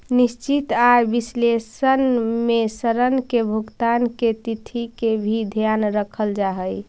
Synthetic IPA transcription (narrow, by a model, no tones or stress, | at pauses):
nist͡ʃit̪aɾbislesənmesəɾənkebʱuɡt̪anket̪it̪ʰikebʱid̪ʱjanɾəkʰəld͡ʒaɦəj